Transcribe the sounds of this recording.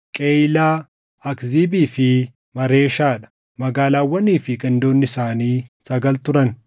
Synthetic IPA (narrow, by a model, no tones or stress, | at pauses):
kʼeːjlaː | ɐkziːbiːfɪ | mɐɾe̞ːʃaːᶑɐ̥ | mɐɡaːlaːwːɐniːfɪɡɐnd̪o̞ːnːɪsaːniːsɐɡɐlt̪ʊɾɐn